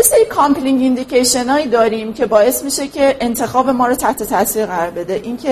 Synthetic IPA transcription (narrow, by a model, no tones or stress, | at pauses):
jeseɾiːkʰɒmkliŋɡind̪icejʃe̞nɒːjiːd̪ɒːɾiːmcʰe̞bɒːje̞smiːʃe̞cʰe̞ʔːnt̪ʰe̞xɒːbe̞mɒːɾot̪ʰæht̪ʰe̞t̪ʰæsiːɾɣæɾɒɾbe̞d̪eʔiːŋcʰe